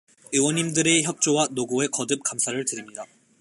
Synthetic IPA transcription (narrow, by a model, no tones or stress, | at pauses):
ɯwʌɲimdɯɾe̞çjʌk̚t͡ɕ͈owanoɡoe̞kʌdɯp̚k͈amsʰaɾɯɭtɯɾimɲida